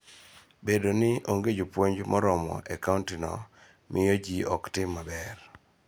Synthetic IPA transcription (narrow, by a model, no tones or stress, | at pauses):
bedonɪʔoŋɡed͡ʒopwoɲd͡ʒmʔɔɾɔmɔ̰ʔɛkaʊntɪnɔ̰ | mʔɪjod͡ʒiɔktɪmːabɛr